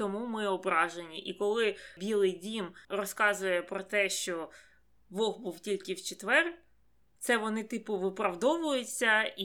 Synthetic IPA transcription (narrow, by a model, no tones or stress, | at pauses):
t̪ɔmumɪɔbɾɑʒenʲiʔikɔlˠɪbʲilˠɪjdʲimrɔskɑzʊjɛpɾɔt̪ɛʃt͡ʃɔ | ʋɔɣbuwtʲilʲkɪwt͡ʃet̪ʋɛr | t̪sɛʋɔnɪt̪ɪpʊʋɪpɾɐwd̪ɔʋʊjʊt͡sʲːɐi